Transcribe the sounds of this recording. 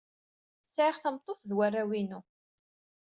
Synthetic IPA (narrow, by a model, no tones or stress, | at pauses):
sʕiʁθəmt̪ˤːoθðwærːæwinu